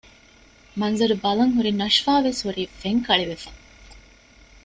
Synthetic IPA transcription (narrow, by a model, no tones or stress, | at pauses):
mɐnzɐɾubɐlɐŋɦuɾinɐʃfaːʋeshuɾiːfeŋkɐɭeʋefɐ